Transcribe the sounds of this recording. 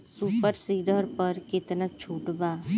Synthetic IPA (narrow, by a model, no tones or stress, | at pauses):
suːpəɾsiːɖəɾpɐɾkɪt̪nək̚t͡ʃʰuːʈbaː